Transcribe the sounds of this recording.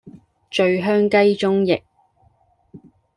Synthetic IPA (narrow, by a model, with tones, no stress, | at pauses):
t͡ʃɵ˨˧ɥɦœː˥ŋkɐ˥jt͡ʃʊ˥ŋjɪ˨k̚